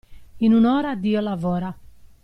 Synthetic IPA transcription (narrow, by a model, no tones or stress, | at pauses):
inunɔːɾad̪iːɔlavɔːɾa